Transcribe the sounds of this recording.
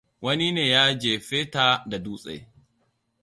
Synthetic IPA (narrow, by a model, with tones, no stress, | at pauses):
wɐ˦ni˦neː˨jaː˦d͡ʒeː˨ɸe˦ta˦˨da˨duː˦sʼḛ˨